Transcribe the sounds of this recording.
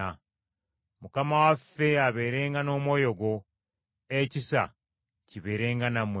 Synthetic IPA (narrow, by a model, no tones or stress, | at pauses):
a | mukamawafːe̞aβe̞ːɾe̞ːŋɡano̞ːmwo̞ːjo̞ɡo̞ | ecisa̰ | ciβe̞ːɾe̞ːŋɡanamw